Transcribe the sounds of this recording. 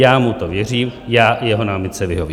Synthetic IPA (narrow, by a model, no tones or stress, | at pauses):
jaːmut̪ovjɛr̝iːmjaːjɛɦonaːmɪt̪t͡sɛvɪɦovi